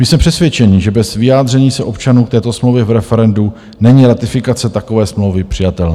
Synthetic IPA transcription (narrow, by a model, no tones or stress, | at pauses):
mɪsmɛpr̥ɛsvjɛt͡ʃɛniʒɛbɛzvɪjaːd̪r̝ɛɲiːsɛʔo̞pt͡ʃanuːkt̪ɛːt̪o̞smlowvjɛvɾɛfɛɾɛndu | nɛɲiːɾat̪ɪfɪkat͡sɛt̪ako̞vɛːsmlowvɪpr̥ɪjat̪ɛlnaː